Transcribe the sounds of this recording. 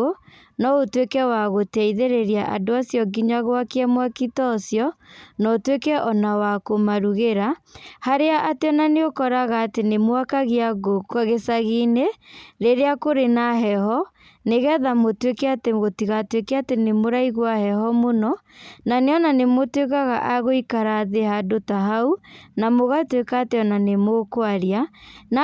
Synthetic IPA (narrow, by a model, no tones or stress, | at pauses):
o | nɔotwekɛwaɣotɛiðeɾeɾiaʔa̰doasjɔɡiɲaɣoakeɛmwakitɔsjɔnɔtwekɛʔɔnawakomaɾuɣeɾahaɾeaʔateɔnaneokɔɾaɣaːtenemwakaɣiaɣokɣesaɣineɾeɾeakoɾenaɦɛhɔ | neɣɛðamotwekɛateɣotiɣatwekɛatenemoɾaiɣwahɛhɔmonɔnaneɔnanemotwekaɣa̰ʔaɣoikaɾaːðehadotaɦaunamoɣatwekaːteɔnanemokwaɾian